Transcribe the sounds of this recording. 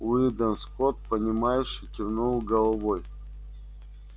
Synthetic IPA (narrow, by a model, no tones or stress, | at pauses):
ʊd̪ənskot̪̚pɐnʲɪmajʊʂɨtʲɪrnulˠɡɐlˠɐvoj